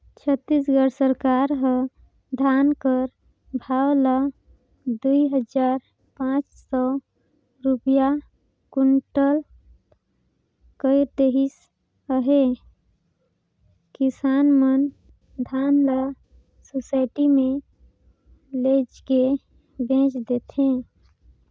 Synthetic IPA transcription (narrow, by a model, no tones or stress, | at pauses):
t͡ʃʰət̪ːisɡəɾsəɾkaɾɦə | d̪ʱankəɾ | bʱawlə | d̪uiɦəd͡ʒaɾ | pãt͡ʃsɔ | ɾupja | kuɳʈəl | kəɪɾd̪eɦis | əɦe | kisanmən | d̪ʱanlə | sosaɪʈime | led͡ʒke | bẽt͡ʃd̪et̪ʰẽ